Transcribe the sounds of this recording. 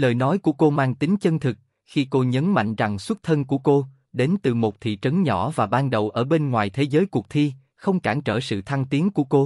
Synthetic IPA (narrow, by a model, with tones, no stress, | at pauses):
ləː˨˩jnɔ˨˦jku˧˩əko˧maː˧ŋt̪ï˨˦ŋ̟t͡ɕə˧nt̪ʰɨ˨˩k̚ | xi˧ko˧ɲə˨˦nma̰˧˨jŋ̟za˨˩ŋswə˦˥t̚t̪ʰə˧nku˧˩əko˧ | ɗe˨˦nt̪ɨ˨˩mo˨˩t̚t̪ʰḭ˧˨t͡ɕə˨˦nɲɔ˧˩vaː˨˩ɓaː˧nɗə˨˩wʔəː˧˩ɓe˧nŋwaː˨˩jt̪ʰe˨˦zəː˨˦jku˨˩ək̚t̪ʰi˧ | xə˧wŋ͡mkaː˧˩nt͡ɕəː˧˩sɨ̰˧˨t̪ʰa˧ŋt̪i˨˦əŋku˧˩əko˧